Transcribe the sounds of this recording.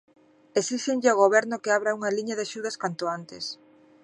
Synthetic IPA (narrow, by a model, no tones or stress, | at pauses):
esiʃeɲʎɪoɣ̞oβɛɾnʊkɪaβɾauŋɐliɲɐðɪaʃuð̞ɐskant̪ʊant̪ɪs